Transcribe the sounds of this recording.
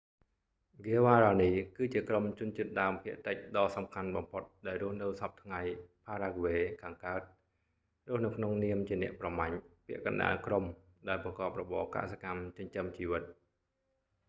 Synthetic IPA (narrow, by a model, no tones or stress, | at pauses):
ɡeəʋaːɾaːniːkɨːt͡ɕiəkromt͡ɕʊ̆ənt͡ɕiət̪̚ɗaəmpʰiəʔt̪əc̚ɗɑːsɑmkʰanɓɑmpʰot̪̚ɗaɛlrʊ̆əhnɨwsɑp̚t̪ʰŋajpʰaːɾaːɡʋeːkʰaːŋkaət̪̚ | rʊ̆əhnɨwkʰnoŋniəmt͡ɕiənɛ̆əʔprɑmaɲpĭəʔkɑnɗa̰ːlkrom | ɗaɛlprɑkɑːp̚rɔɓɑ̰ːka̰ʔsakamt͡ɕəɲt͡ɕəmt͡ɕiːʋɨt̪̚